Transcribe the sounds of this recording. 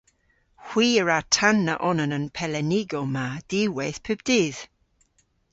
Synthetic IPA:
hw̥iːəɹatʰanːaʔɔnənənpʰɛlɛnɪɡɔmad̥iweθpʰøb̚d̥iːð

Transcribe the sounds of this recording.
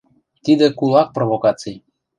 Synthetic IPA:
t̪id̪ĕkulˠɑk̚provokɑt͡sij

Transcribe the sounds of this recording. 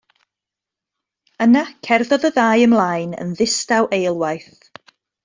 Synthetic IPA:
ənakʰɛrðɔðəðaːjəmlˠaːjnə̰nðɪstawʔejlˠwajθ

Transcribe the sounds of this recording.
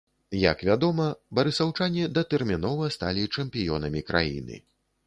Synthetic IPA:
jɐ̰kvʲad̪ɔmɐbɐɾɨsawt͡ʂanʲid̪ɐt̪ɛrmʲinɔvɐst̪alʲit͡ʂɛmpʲijɔnɐmʲikɾʔa̰jḭnɨ̰

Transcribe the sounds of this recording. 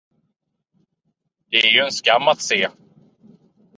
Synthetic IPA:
d̪ɛɛɾjɵɛnskamːat̪seː

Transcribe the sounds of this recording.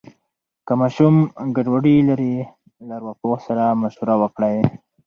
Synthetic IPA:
kamaʃumɡaɖwaɖilaɾi | laɾwaposaɾamaʃuɾawəkɽaj

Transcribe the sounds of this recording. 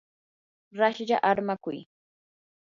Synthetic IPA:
ɾaʃʎa̰ʔaɾmakʊj

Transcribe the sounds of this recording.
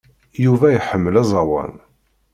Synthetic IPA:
juvæjħəmːəlæzˤɑwɑ̰n

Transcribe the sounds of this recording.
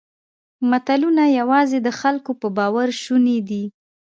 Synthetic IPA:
mat̪alunajawɑzed̪əxalkopəbɑwaɾʃuned̪i

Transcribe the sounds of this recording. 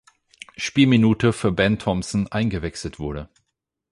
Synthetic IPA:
ʃpiːlminuːtʰəfyːɐbɛntʰɔmsn̩ʔaɪnɡəvɛksl̩tv̥ʊɐɾə

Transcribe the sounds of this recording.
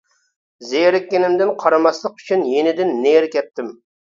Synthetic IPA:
zejɾɪkʲːenɪmd̪ɪnqʰɑɾɑmɑslˠəqy̥t͡ʃʰynjenɪd̪ɪnːeɾkʲɛt̪ːɪm

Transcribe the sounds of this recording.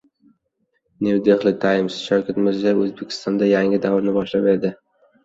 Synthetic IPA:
newd̪eχlɪt̪ʰajɪmsʃawkʲʰat̪mɪɾzaɵzbekʲʰɪ̥st̪ɒnd̪ajaŋɪd̪avɾnɪbɒʃlape̞d̪ɪ

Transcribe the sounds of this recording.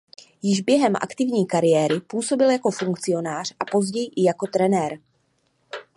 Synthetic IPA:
jɪʒbjɛɦɛmʔa̰kt̪ɪvɲiːkaɾɪjɛːɾɪpuːso̞bɪljako̞fuŋkt͡sɪo̞naːr̝̥ʔapo̞zɟɛjɪʔɪjako̞t̪ɾɛnɛːɾ

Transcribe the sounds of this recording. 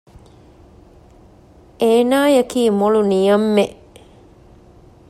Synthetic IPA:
ʔeːnaːjɐkiːmolunijɐmːeʔ

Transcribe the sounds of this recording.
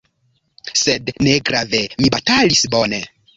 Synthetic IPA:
sedneɡɾave̞mibatalisbo̞ne̞

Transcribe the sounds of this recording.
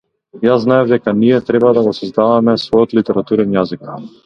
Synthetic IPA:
jaznaɛvd̪ɛkaniɛt̪ɾɛbad̪aɡɔsɔzd̪avamɛsvɔjɔt̪lit̪ɛɾat̪uɾɛnjazik

